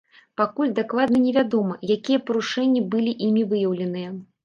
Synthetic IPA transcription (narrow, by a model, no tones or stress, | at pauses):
pakulʲd̪aklˠad̪̚nɐnʲɛvʲad̪ɔmɐjakʲijɐpɐɾuʂɛnʲːibɨlʲiʔimʲivɨjɐwlʲɪnɨjɐ